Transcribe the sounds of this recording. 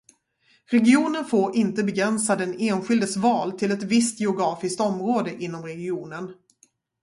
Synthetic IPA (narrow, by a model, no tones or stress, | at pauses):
ɾɛɡɪuːnənfoːɾɪnt̪əbɛɡɾɛnsad̪ɛneːnɧɪld̪əsvɑːlt̪ʰɪlɛt̪vɪst̪jɛʊɡɾɑːfɪsk̚t̪ɔmɾoːd̪əʔɪn̪ːɔmɾɛɡɪuːnən